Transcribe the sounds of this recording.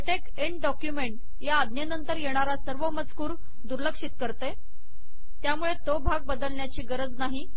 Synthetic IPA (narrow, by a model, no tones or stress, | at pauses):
eʈek | eɳʈɖɔkjumeɳʈ | jaːd̪ʱnjenənt̪əɾjeɽ̃aɾasəɾʋəmət͡skuːɾ | d̪uɾləkʂit̪kəɾt̪e | t̪jamuɭet̪obʱaɡ̚bəd̪əlɳjat͡ɕiːɡəɾəd͡znaɦi